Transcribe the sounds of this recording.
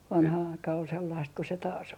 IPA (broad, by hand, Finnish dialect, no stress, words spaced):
ʋɑnhɑ ɑikɑ ol selːɑist ko se tɑːs